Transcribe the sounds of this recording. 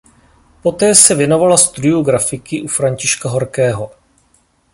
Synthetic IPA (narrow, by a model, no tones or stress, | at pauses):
po̞t̪ɛːsɛvjɛno̞valast̪udɪoɡɾafɪkɪʔufɾaɲcɪʃkaɦo̞ɾkɛːɦo̞